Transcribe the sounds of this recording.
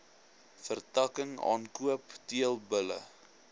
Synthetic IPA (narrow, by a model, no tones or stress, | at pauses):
fərtɐkəŋɑ̰ːnkuəptiəlˠbələ̰